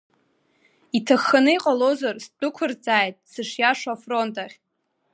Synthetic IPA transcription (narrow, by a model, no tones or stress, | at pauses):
itʰaχːanɨiqʼalozarst͡pʼʊkʷʰʊrt͡sʼaːjtʼsɨʂjaʂafro̞ntʼaχʲ